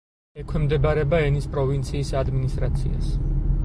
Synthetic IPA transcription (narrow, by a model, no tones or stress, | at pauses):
ɛkʰwɛmd̪ɛbaɾɛbaɛnispʼɾɔvint̪sʰiːsad̪minist̪ʼɾat̪sʰḭa̰s